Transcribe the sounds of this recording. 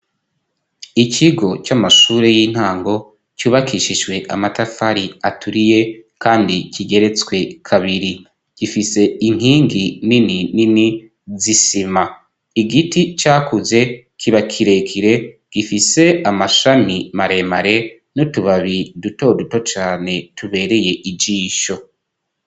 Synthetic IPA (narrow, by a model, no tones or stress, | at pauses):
icʰiɡo̞t͡ʃamaʃuːɾe̞jiːn̥haːŋɡo̞ | cuːβakʰiʃiʒɡwe̞ʔa̰matafaɾiatʰuɾijekʰaːndicʰiɡe̞ɾe̞t͡swe̞kʰaβiɾi | ɡ̥ifise̞iŋ̥hiːŋɡinininini | zisima | iɡitit͡ʃaːkuze̞ | kʰiβakʰiɾe̞kʰiɾe̞ɡ̥ifise̞amaʃamimaɾe̞maɾe̞ | nutuβaβiduto̞duto̞t͡ʃaːne̞tuβe̞ːɾe̞je̞ʔid͡ʒiːʃo̞